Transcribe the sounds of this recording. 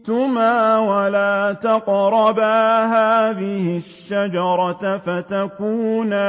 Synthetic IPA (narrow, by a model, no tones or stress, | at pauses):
t̪ʊmːaːwalaːt̪ɑqɾˤɑbaːɦaːðɪhɪʃːad͡ʒɑɾˤɑfat̪akuːn